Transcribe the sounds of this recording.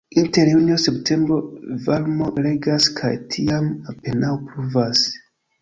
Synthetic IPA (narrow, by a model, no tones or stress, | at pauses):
inte̞ɾjunioseptʰe̞mbɾo̞valmo̞ɾe̞ɡaskʰa̰jtʰiamape̞nawpɾuvas